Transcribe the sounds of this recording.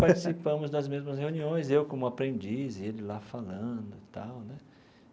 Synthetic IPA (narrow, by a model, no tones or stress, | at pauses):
paɾt͡ʃi̥sipɐ̃mʊzd̪ɐzmezmɐsheũniõj̃zewkõmʊapɾẽnd͡ʒizɪelɪlafalɐ̃d̪ʊt̪awnɛ